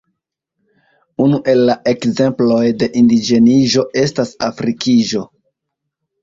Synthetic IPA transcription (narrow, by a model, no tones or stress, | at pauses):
unuʔe̞lːaʔe̞kze̞mplo̞jde̞ʔindid͡ʒe̞niʒo̞ʔe̞stasafɾikiʒo̞